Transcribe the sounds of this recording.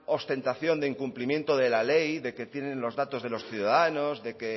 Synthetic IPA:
o̞st̪e̞nt̪aθjo̞nd̪eiŋkumplimje̞nt̪oðe̞lalejðe̞ke̞t̪je̞nẽ̞nlo̞zðat̪o̞zð̞e̞lo̞sθjuðaðano̞zðe̞ke̞

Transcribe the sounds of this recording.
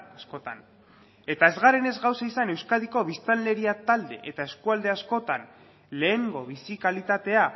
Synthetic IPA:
asko̞t̪a̰n | e̞t̪ae̞zɣaɾe̞ne̞zɣawsaisane̞wskað̞iko̞βist̪anle̞ɾiat̪ald̪e̞ʔet̪ae̞skuald̪e̞asko̞t̪an | le̞ːŋɡo̞βisikalit̪at̪e̞a

